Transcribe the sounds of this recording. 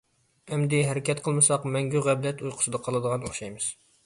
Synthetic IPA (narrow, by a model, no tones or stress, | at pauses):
ɛmd̪ɪɦæɾɪkʲʰɛt̪̚qʰəlˠmɨsɑqmɛŋɡʲyʁæblɛt̪ujqʰʊ̥sɨd̪ɑqʰɑlˠɨd̪əʁɑnoχʃɑjmɨz̥